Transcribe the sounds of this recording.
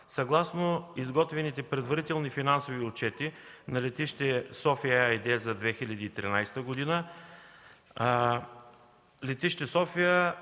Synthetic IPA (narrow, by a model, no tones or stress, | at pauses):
sɐɡlˠasnoizɡɔt̪vɛnit̪ɛpɾɛd̪vɐɾit̪ɛlˠnifinansoviʊt͡ʃɛt̪inɐlɛt̪iʃt̪ɛsɔfijəajd̪ɛzɐd̪vɛxilʲɐd̪iːt̪ɾinajst̪əɡod̪inə | lɛt̪iʃt̪ɛsɔfijə